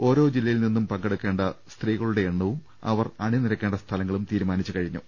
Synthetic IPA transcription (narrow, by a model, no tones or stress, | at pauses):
o̞ːɾo̞ːd͡ʑilːɐjilninːumpɐŋɡeɽukːe̞ːɳɖɐst̪riːɣɐɭuɽe̞ːɳːɐʋum | ɐ̰ʋɐrɐɳiniɾɐkːe̞ːɳɖɐst̪ʰɐlɐŋːɐɭumt̪iːɾumaːnit͡ɕːukɐɻiɲːṵ